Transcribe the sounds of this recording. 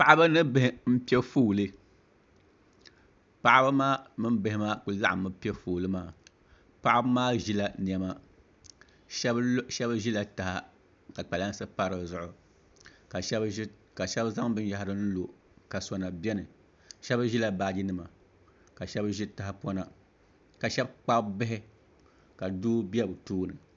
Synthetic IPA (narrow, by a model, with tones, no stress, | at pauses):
pa˨ʔa˦ba˦nɨ˦bhɪ˦m̩˦pi˦ɛ˦foː˦˨lɨ˦ | pa˦ʔa˦ba˦maː˦mɨ˦mbɨ˦hɪ˦ma˦ku˨la̰˦ʔa˨mɨ˦pɛ˦foː˨lɨ˦maː˦ | pa˦ʔa˦bmaː˦ʒi˦la˨n˨ɛ˨ma˦ | ʃɛ˦bʒi˦la˨ta˨ha˦ | ka˨k͡pa˨la˦n˦sɨ˦pa˦ɾɨ˨zʊ˨ʔʊ˨ | ka˨ʃɛ˦b | ka˨ʃɛ˦bza˦ŋbɨ˦n˦ja˦ɦa˦ɾɨ˦n̩˦lo˨ | ka˨sɔ˨na˨bɛ˦nɨ˨ | ʃɛ˦bʒi˦la˨ba˦˨d͡ʒi˦nɨ˨ma˨ | ka˨ʃɛ˦bʒi˦ta˨a˨pɔ˦na˨ | ka˨ʃɛ˦bk͡pa˦bɪ˦ɦɪ˦ | ka˨duː˦bi˦ɛ˦bɨ˨tuː˦nɨ˨